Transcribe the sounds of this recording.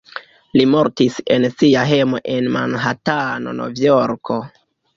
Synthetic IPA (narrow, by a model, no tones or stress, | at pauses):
limo̞ɾtise̞nsiaɦe̞mo̞ʔe̞nma̰nɦatano̞̰no̞̰vioɾkʰo̞